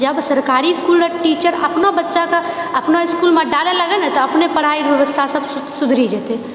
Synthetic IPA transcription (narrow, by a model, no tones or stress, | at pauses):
d͡ʒəbsəɾkaːɾiɪskulɾəʈiːt͡ʃəɾɐ̰pnobətːʃakaɐpnoɪskulmẽɖaleləɡenət̪ɔɐpnepəɽ̤aiɾʋjəʋəst̪ʰasəbssʊd̪ʱɾid͡ʒɛt̪e